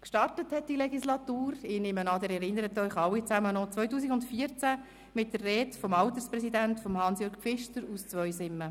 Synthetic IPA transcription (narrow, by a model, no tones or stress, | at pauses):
kʃtɑrtəthɛt̚d̥ilɛɡislɑtuːɾɪnɪmənɑd̪əɾɛɾɪnːəɾətœʏχɑwːit͡sæmənɔt͡svœʏtuːsiɡʊntfiːət͡sæ | mɪt̚d̥ərːɛːtfɔmɑlt̪əɾspɾɛsidæntfɔmhɑnsjøɾɡ̚fɪʃtəɾust͡svʋœʏsɪmːə